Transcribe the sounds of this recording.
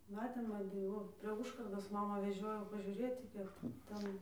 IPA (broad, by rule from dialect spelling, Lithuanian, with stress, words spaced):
ˈmɑːtʲeːm ɐˈbʲɪ ˈʋoː pʲrʲiɛ ˈʊʃkɐrdoːs ˈmɑːmɑː ʋʲɛˈʒʲoːjɛʊ pɐʒʲuːˈrʲeːtʲɪ ˈkʲiɛk ˈtʲɛn